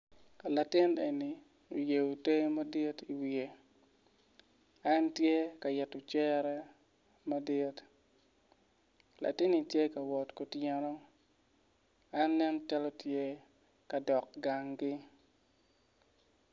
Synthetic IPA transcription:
ka˨la˨tɪ˦ne˨ni˨ | o˨je˨o˨te˦ma˦di˦ti˨wi˨e˨ | a˦ntje˦ka˨jɛ˨tʊ˨t͡ʃɛ˦ɾɛ˦ | ma˦di˦t | la̰˨tɪ˦ni˨tje˦ka˨wɔ˨tko˨tjɛ˦nɔ˦ | a˦nlɛ˦mt͡ʃa˦lɔ˦tje˦ | ka˨dɔ˨k̚ɡa˨ŋɡɪ˦

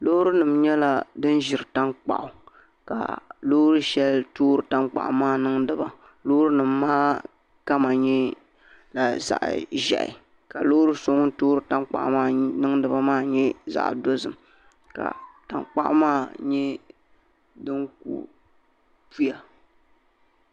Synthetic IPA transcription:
lo˦hɾɨ˦nɨ˨mɲɛ˦la˦dɨ˦n˦ʒɪ˨ɾɨ˨ta˦ŋk͡pa̰˨ʔʊ˨ | ka̰˨lo˦hɾɨ˦ʃɛ˦ltoː˦ɾɨ˨ta˦ŋk͡pa̰˨ʔmaː˦nɨ˦ŋdɨ˦ba˨ | lo˦hɾɨ˦nɨ˨mː˦aː˦ | ka˦ma˨ɲɛ˦ | la˨za̰˨ʔʒɛ̰˨ʔɪ̰˨ | ka˨lo˦ɾɨ˦so˦ŋ˦toː˦ɾɨ˨ta˦ŋ͡mk͡pa̰˨ʔmaː˦nɨ˦ŋ˦dɨ˨ba˦maː˦ɲɛ˦za̰˨ʔdo˦zɨ˨m | ka̰˨ta˨ŋk͡pa̰˦ʔʊ̰˦maː˦ɲɛ˦ | dɨ˦ŋk̚ṵ˨ | pu˦ja˨

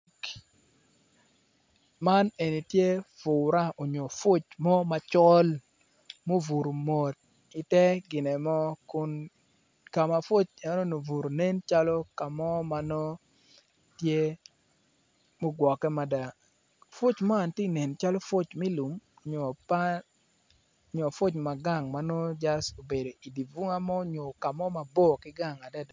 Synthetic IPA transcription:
ma˦ne˨ni˨tje˦fʊ˨ɾa˦ʔo˨ɲo˨fʊ˦t͡ʃmɔ˦ma˨t͡ʃɔ˦l | mo˦vu˨ɾo˨mo˨t̚ | i˨tɛ˦ɡɪ˨nɛ˨mɔ˦kʊ˦n | ka˨ma˨fʊ˦t͡ʃɛ˦nɔ˦no˨vu˨ɾo˨ne˦nt͡ʃa˦lɔ˦ka˨mɔ˦ma˨nɔ˦ | tje˦ | mo˦ɡwɔ˨kːɛ˦ma˨da˨ | fo˦t͡ʃma˦˨nti˦ne˨nt͡ʃa˦lɔ˦fo˦t͡ʃmi˦lu˨m˨ | ɲo˨pa˦ | ɲɔ˨fo˦t͡ʃma˨ɡa˦˨ŋma˦no˦d͡ʒa˦so˨be˨do˨ʔi˨di˨vu˦ŋa˦mɔ˦ɲo˨ka˨mɔ˦ma˨bɔ˦kɪ˦ɡa˦˨ŋa˨dɛ˦d

